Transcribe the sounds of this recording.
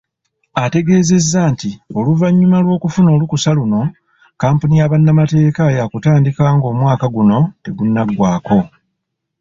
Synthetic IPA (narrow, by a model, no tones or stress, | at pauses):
ate̞ɡe̞ːze̞zːaːntio̞luvaɲːumalwo̞ːkufuno̞ːlukusaluno̞ | kaːmpunijaβanːamate̞ːkajakutaːndikaːŋɡo̞ːmwaːkaɡuno̞te̞ɡunːaɡwaːko̞